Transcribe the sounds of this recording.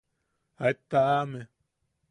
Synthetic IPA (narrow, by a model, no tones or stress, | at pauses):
aet̪ːaame